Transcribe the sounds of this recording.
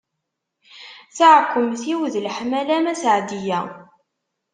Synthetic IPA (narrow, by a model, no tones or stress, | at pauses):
θaʕkʷːəmθiwðlħmælæmæsʕd̪ijæ